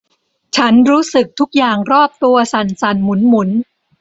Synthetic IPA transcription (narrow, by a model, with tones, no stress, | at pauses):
t͡ɕʰa˦˥nɾuː˦˥sɯ˨˩k̚t̪ʰu˦˥k̚jaː˨˩ŋɾɔː˥˩p̚t̪u˧ɐsa˨˩nsa˨˩nmu˩˦nmu˩˦n